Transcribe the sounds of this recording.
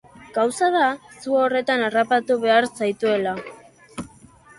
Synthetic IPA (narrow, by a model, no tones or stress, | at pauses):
ɡ̥awsaðasuore̞t̪anarapat̪uβe̞aɾsajt̪ue̞la